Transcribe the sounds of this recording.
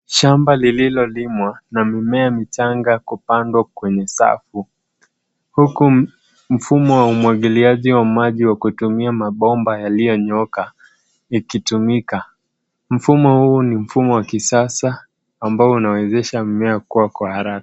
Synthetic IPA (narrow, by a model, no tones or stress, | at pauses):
ʃambalililɔlimwanamimɛamit͡ʃaŋɡakupandwakwɛɲɛsa̰fu | huku | m̩fumɔwaumwaɠiliaʄiwamaʄiwakutumiamaɓɔmbajalijɔɲɔka | ikitumika | m̩fumɔhuːnim̩fumɔwakisasaː | mbaɔunawɛzɛʃamimɛakuwakwahaɾakḁ